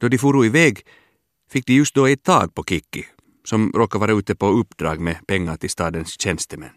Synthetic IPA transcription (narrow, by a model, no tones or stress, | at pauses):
d̪oːd̪ifuːɾuːɪʋɛːɡ | fɪk̚d̪iːjʉst̪̚d̪oːæɪt̪̚t̪ʰɑ̰ːɡ̚pʰoːkʰɪkːɪ | sɔmɾoːkəʋæːɾɑəʉːt̪əpoːʉpd̪ɾɑ̰ːɡmeːpʰɛŋːət̪ʰɪst̪ɑːd̪ənsc͡çɛnst̪əmɛ̰n